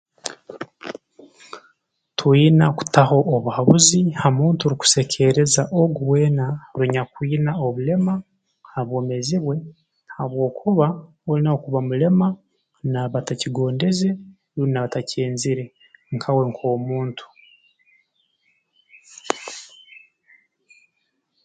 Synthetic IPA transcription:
twiːnaku̥taho̞ʔːβuhaβuzihamuːntuɾiku̥se̞cʰe̞ɾe̞zaʔoɡuwe̞ːnaɾuɲakwiːnao̞βule̞ma | haβwo̞ːme̞ziβwe̞ | haβwo̞ːkʰuβa | olinaokuβamule̞ma | naβataciɡo̞ːnde̞ze | ɾunaβatacʰe̞ːnziɾe | ŋkʰawe̞ŋkʰo̞ːmuːntu̥

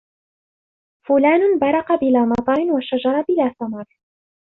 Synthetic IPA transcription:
fʊlaːnʊnbɑɾˤɑqɑbɪlaːmɑt̪ˤɑɾɪnwaʃad͡ʒɑɾˤɑbɪlaːθamɑɾˤ

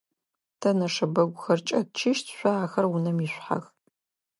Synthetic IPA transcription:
tʰɐnɐʂɐbɐɡʷʊxɐrt͡ʃʼɐtt͡ʃʰɪʃtʰɕʷaaːxɐrwʊnɐmiɕʷħa̰x

